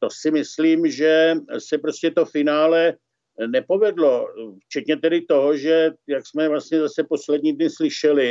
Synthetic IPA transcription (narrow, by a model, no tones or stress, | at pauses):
t̪osɪmɪsliːmʒɛsɛpɾoscɛt̪ofɪnaːlɛ | nɛpo̞vɛdlo̞ft͡ʃɛt̪ɲɛt̪ɛdɪt̪o̞ɦoʒɛjaksmɛvlast̪ɲɛzasɛpo̞slɛdɲiːdnɪslɪʃɛlɪ